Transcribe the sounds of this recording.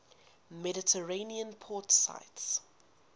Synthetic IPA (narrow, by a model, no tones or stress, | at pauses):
mɛdɪtʰəɹẽniə̃npʰɔːtsa̰ɪts